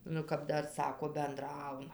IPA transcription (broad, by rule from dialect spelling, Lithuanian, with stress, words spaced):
ˈnʊ kɐp ˈdɐr ˈsɑːkoː bʲɛnˈdrɐʊnɐ